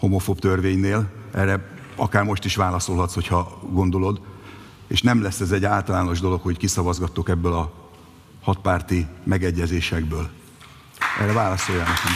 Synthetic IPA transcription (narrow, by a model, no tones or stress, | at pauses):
ho̞mo̞fobt̪ørveːɲneːlʔɛ̰rɛ | ɒkaːrmo̞ʃt̪iʃvaːlɒso̞lɦɒt̪sho̞cʰhɒɡo̞nd̪o̞lo̞d̪ | eːʃnɛmlɛsːɛzɛɟːaːlt̪ɒlaːno̞ʒd̪o̞lo̞kho̞ckisɒvɒzɡɒt̪ːokɛbːølɒ | hɒt̪̚paːrt̪imɛɡɛɟːɛzeːʃɛɡbøːl | ʔɛ̰rɛvaːlɒso̞jːanɛkɛm